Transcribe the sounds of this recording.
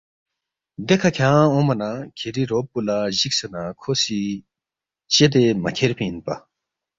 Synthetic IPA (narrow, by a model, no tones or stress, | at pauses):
d̪ekʰakʰaaɔ̃manakʰeɾiɾopːulaʑik̚sanakʰosi | t͡ɕet̪̬emakʲʰerpʰinpa